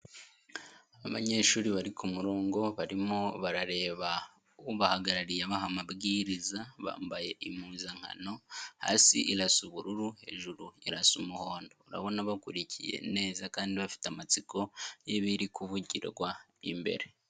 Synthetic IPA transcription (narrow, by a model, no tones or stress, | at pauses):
aβa̰ɲe̞ːʃuːɾiβaɾikʰumuɾo̞ːŋɡo̞βaɾimoβaɾaɾe̞ːβa | βahaɡaɾaɾijaβaɦamabɡiːɾizaβa̰ːmbaje̞ʔim̥uːnzaŋ̥ha̰no̞ha̰sḭʔiɾasuβuɾuɾuhe̞̰ʒuɾuiɾasumuho̞ːndouɾa̰βo̞naβakuɾicʰḭje̞̰ne̞ːzakaːndiβafi̥teamat͡sikʰo̞jeβiɾikuvuɟḭɾɡwa | ḭmbe̞̰ɾe̞